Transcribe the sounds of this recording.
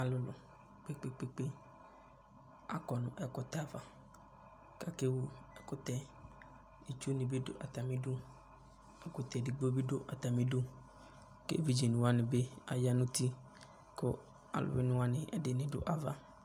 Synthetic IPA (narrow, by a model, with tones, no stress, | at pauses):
a˨lʊ˦lʊ̰˨ | k͡pe˦k͡pe˦k͡pe˦k͡pe˦ | a̰˨kɔ˨nʊ̃˨ʔɛ˨kʊ˨t̪a˨va˨ | ka˦ke˦wo˦ɛ˨kʊ˦t̪ɛ˦ | i˨t͡ʃo˦nĩ˨be˦dʊ̰˦ʔa˨t̪a˨mĩ˦du˦ | ɛ˨kʊ˨t̪ɛ˨dɪ˨ɡ͡bo˦bi˦do˦ʔa˨t̪a˨mĩ˦du˦ | kḛ˦vi˦d͡ʒi˨nʊ̃˨wa˦nɪ̃˨be˦a˨ja˦nʊ̃˦t̪i˦ | kʊ˦ | a̰˨lʊ̰˨we˦nʊ̃˦wa˦nɪ̃˨ʔɛ˨dɪ˨nɪ̃˨dʊ̰˦ʔa˨va˨